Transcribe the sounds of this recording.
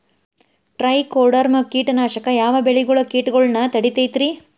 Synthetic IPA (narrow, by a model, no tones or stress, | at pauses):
ʈɾɐjkoɾɖɐɾmɐkiːʈɐnaːʃɐkɐjaːʋɐbeɭiɡɐɭɐkiːʈɡɐɭnɐt̪ɐɽit̪ejt̪ɾi